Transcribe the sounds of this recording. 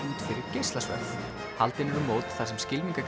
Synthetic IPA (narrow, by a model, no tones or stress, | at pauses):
uːt̪fɪɾɪɾ̥cejst̪lasvœ̰ɾθ | halt̪ɪnɛvʏmoːwt̪θasɛmscɪlmiŋkak